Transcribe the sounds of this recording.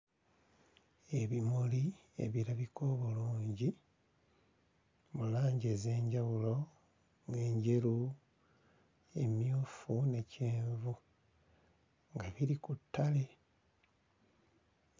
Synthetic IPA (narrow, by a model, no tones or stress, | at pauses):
e̞βimoli | ḛβiɾaβikʰo̞ːβuluːɲɟi | mulaːɲɟeze̞ːɲɟawulo̞ | ŋe̞ːɲɟe̞lu | e̞mjuːfune̞ceːɱvu | ŋɡaβiɾikutːale̞